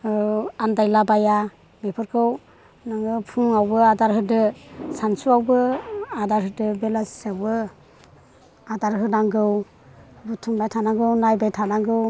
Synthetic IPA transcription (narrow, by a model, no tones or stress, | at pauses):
andajlabaja | bepʰɯɾkʰɯw | naŋɯpʰuŋawbɯadaɾɦɯdɯsansuawbɯadaɾɦɯdɯbelasi̥sawbɯ | adaɾɦɯnaŋɡɯw | butʰumbajtʰanaɡɯwnajbajtʰanaɡɯw